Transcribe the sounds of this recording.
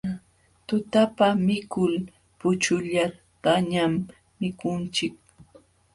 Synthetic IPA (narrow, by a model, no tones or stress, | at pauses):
t̪ʊt̪apamɪkʊl | pʊt͡ʃʊʎat̪aɲamː | ɪkʊnt͡ʃɪk̚